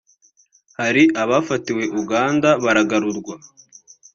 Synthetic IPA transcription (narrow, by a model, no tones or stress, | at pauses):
haɾiaβafatiwe̞ʔuɡaːndaβaɾaɡaɾuɾɡwa